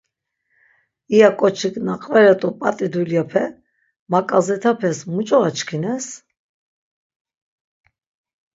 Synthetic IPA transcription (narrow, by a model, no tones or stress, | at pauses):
ijakʼɔt͡ʃʰikʼnaqʼvɛɾɛt̪ʼɔpʼat̪ʼid̪uljapʰɛ | makʼazɛt̪ʰapʰɛsmut͡ʃʼɔat͡ʃkʰinɛs